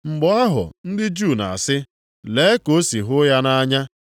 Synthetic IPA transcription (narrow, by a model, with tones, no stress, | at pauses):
ŋ͡m̩˨ɡ͡bɔ˨a˦ɦʊ̰˨n̩˦dɪ˦d͡ʒu˦˨na̰˨a˨sɪ˦ | le˨˦e˦ko˦si˨ɦʊ˦ja˦na˦ɲa˦